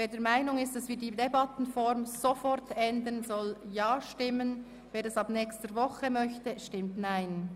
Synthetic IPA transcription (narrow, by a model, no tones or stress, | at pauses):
veːdɛːɾmaɪnʊŋɪst̚d̥ɑsvɪːdiːdebɑtn̩fɔɾmzofɔɾtɛndənzɔljaːʃtɪmən | veːɾdɛsɑːbnɛːkstəɾvɔχəmœçtəʃtɪmtnaɪn